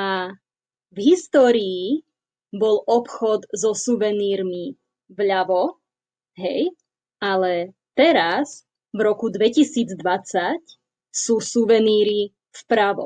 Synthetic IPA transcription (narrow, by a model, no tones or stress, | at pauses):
a | vɦist̪ɔːɾiː | bɔlɔpxɔd̪zɔsuʋɛniːɾmi | vʎaʋɔ | ɦɛj | alɛt̪ɛɾas | vɾɔkud̪ʋɛcisiːd͡zd̪ʋat͡sac | suːsuʋɛniːɾi | fpɾaʋɔ̰